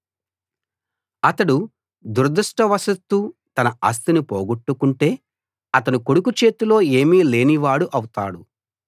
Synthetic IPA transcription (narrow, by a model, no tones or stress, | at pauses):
ɐt̪ɐɽu | d̪uɾd̪ɐʂʈɐʋɐsɐt̪ːuːt̪ɐnɐɐ̰s̬t̪inipoːɡuʈːukuɳʈe̞ː | ɐt̪ɐnuko̞ɽukut͡ʃe̞ːt̪ulo̞ːe̞ːmiːle̞ːniʋaːɽuʔɐwt̪aːɽu